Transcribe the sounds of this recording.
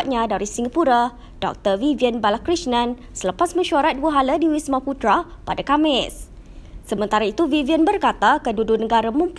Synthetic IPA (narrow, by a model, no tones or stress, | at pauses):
t̪̚ɲãdaɾisiŋapuɾa | d̥ɔ̰k̚t̪ərviviənbalakɾisnãn | sələpasmə̃ʃuaɾat̪̚duəɦalədiwismãput̪ɾa | padakamɪsː | əmə̃nt̪aɾait̪uviviənbərkat̪akədudunəɡaɾamə̃mp